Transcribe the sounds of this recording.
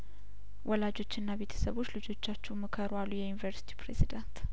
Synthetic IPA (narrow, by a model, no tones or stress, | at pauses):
wʔɔlad͡ʒo̞t͡ʃːɪnːaβe̞t̪ʰə̥səβo̞t͡ʃːlɨd͡ʒo̞t͡ʃːat͡ʃːɛwmɨkʰəɾwalːujɛjunivəɾsi̥t̪ʰi̥pɾezid̪ant̪